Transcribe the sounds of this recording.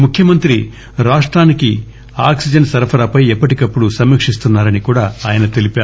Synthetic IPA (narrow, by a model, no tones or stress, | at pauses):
mukʰjɐmɐnt̪ɾi | ɾaːʂʈɾaːniki | aːksid͡ʒɐɳsɐɾɐpʰɐɾapɐjɛpːɐʈikɐpːuɽusɐmːiːkʂist̪unːaːɾɐnikuːɽaːaːjɐnɐt̪e̞lipaː